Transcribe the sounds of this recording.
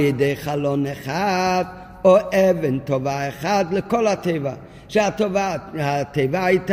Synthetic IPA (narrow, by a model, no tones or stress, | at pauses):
jədeɪχalˠɔnɛχad | oʔɛvɪntɔvaɛχadlɪkɔlˠhatʰeɪva | ʃəatovahateɪvaait